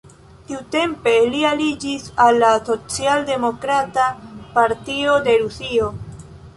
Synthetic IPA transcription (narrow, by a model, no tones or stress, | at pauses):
tiute̞mpe̞lialid͡ʒisalːaso̞t͡sialde̞mo̞kɾatapaɾtio̞de̞ɾusio